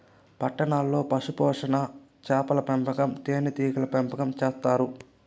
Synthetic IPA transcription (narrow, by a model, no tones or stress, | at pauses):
pɐʈːɐɳaːlːo̞ːpɐʂupɔːʂɐnɐ | t͡ʃaːpɐlɐpɛmpɐkɐmt̪eːnit̪iːkɐlɐpɛmpɐkɐmt͡ʃeːst̪aːɾu